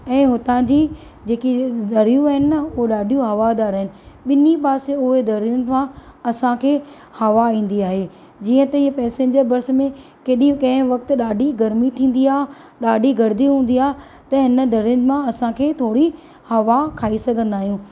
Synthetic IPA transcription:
ɛ̃ːɦʊt̪ãd͡ʑiː | d͡ʑeːkid̪ɐɾijũaɦɪnɪɐʊɦoɗaːɖʱijũɦɐʋad̪aːɾəɦɪnɪ̆ɓɪnipaːseʊɦed̪ʱɐɾijʊnɪ̆mãɐsãkʰeː | hɐʋaĩːn̆d̪iaːɦeː | d͡ʑiːə̃t̪ɐiə̃pɛːsẽːɲd͡ʑəɾbɐɾsmẽ | keːɗĩkɐ̃ɦɪ̃ʋɐkt̪ʊ̆ɗaːɖʱiɡɐɾmit̪ʰĩːn̆d̪iaːɦ | ɗaːɖʱiɡɐɾd̪iɦũːn̆d̪iaːɦe | t̪ɐɦɪnə̆d̪ʱɐɾʊnɪ̆mãɐsãkʰeːt̪ʰoːɽi | hɐʋakʰaːisɐɡʱə̃nd̪aːɦijũː

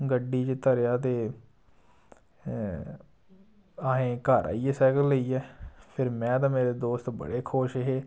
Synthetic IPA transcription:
ɡəɖiːt͡ʃt̪əɾjaːt̪̬eː | aːɦẽːkaːɾa̰ːiːɛːsɛːkəlːəiːɛːpʰɪɾmɛ̃ːt̪̬ãːmeːɾeːd̪oːst̪bə̰ɽeːkʰoːʃeɦeː

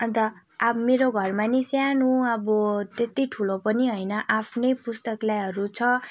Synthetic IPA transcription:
ʌnt̪ʌ | abmeɾoɡʱʌrmanisjanũʌbʌt̪et̪iʈʰulopʌniɦʌjnʌʔapʰnepust̪ʌklajɦʌɾut͡sʰʌ

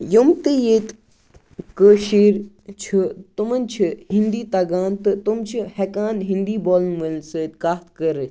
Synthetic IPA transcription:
jumt̪ijeːt̪ | kəʃiːɾ | t͡ʃʰut̪umɐnʲt͡ʃʰiɦind̪iːt̪ɐɡaːnt̪ɨt̪umt͡ʃʰihekaːnɦind̪iːboːlnʋəlsət̪̚kaːt̪kəɾ

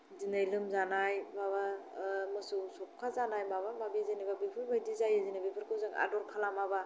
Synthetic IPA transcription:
zinajlɯmzanajbaβamɯsusɔp̚kʰazanajmaβamabizinibabipʰɯɾmajdizajezinabipʰɯɾkʰɯzaŋa̰dɔɾkʰalamaba

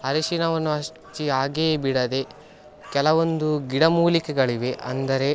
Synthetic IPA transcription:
ɦɐɾiʃinɐʋɐnːuɐʃ | ʈiaːɡeːbiɽɐd̪e̞ | kɛlɐʋo̞nd̪uɡiɽɐmuːlikɛɡɐɭiʋe̞ʔɐ̰nd̪ɐɾe̞

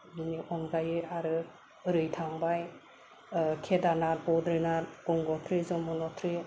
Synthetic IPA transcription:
biniʔɔnɡajɯaɾɯ | ɯɾɯjtʰaŋbaj | kʰedanaɾ̚bɔdɾɯnaɾɔŋɡɔtʰɾizɔmɔnɔtʰɾi

